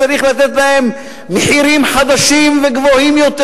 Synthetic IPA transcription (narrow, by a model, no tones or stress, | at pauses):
aɾiχlat̪et̪lahemː | eħiɾimħad̪aʃimveɡvohimjo̞t̪